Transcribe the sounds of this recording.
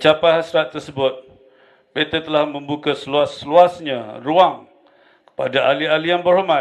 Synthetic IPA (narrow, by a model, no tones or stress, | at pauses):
t͡ʃapaɦasɾat̪ːərsəbʊt̪̚ | bet̪ət̪əlahmə̃mbukasəluasluasɲaruaŋ | kə̥padaʔalialijaŋbərɦoma